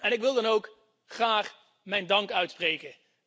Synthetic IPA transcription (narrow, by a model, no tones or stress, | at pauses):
ɛnɪkʋɪlˠdɑnowk | χraːχ | mɛjndɑŋkœɥtsprejkə